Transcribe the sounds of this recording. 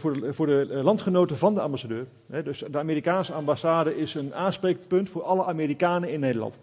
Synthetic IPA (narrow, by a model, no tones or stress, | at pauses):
vʊːvʊːɹdəlɑntχənowtəvɑndəɑ̰mbasadøːr | ɦɛdøsdəaːmiːrikaːnsəɑmbasaːdəʔɪsənaːnsprek̚pɵntfʊːrɑləʔamiːrikaːnəɪnːejdəlɑ̰nt